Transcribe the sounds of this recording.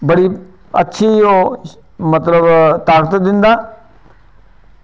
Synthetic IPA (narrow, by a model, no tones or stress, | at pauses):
bəɽi | ɐtːʃʰijo | mɐt̪ləbt̪aːkət̪d̪ɪ̃nd̪aː